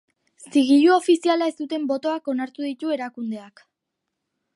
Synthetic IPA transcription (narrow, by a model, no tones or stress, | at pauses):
siɣiʎuo̞fisialae̞st̪ut̪e̞mbo̞t̪o̞ako̞naɾt̪uðit̪ue̞ɾakund̪e̞ak